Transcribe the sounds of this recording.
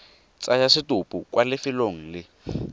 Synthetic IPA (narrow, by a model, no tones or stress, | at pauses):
t͡sajasɪtʊpʼʊkwalɪfɪloŋ̩lɪ